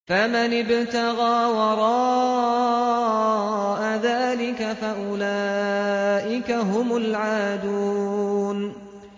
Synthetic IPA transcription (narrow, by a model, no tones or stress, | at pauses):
famanɪbt̪aɣaːwɑɾˤɑː | ʔaðaːlɪkafaʔʊla | ʔɪkaɦʊmʊlʕaːd̪uːn